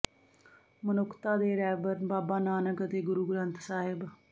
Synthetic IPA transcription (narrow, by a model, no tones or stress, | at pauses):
mənʊkt̪aːd̪eːɾɛːbəɾbaːbaːnaːnəkət̪eːɡʊɾuːɡɾə̃nt̪saːɦɪb